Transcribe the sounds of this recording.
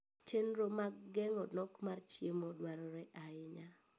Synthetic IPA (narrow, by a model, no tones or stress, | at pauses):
t͡ʃenɾomaɡɡɛŋɔnɔkmart͡ʃjemodwaɾɔɾɛʔaɪɲa